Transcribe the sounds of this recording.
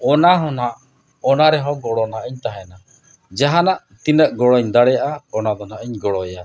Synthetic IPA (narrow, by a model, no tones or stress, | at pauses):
ɔnaɦɔnaʔ | ɔnaɾɛɦɔ̃ɡɔɽɔnaʔəɲt̪aɦɛna | d͡ʒaɦanaʔt̪inəʔɡɔɽɔɲd̪aɽɛjaʔaɔnad̪ɔnaʔəɲɡɔɽɔja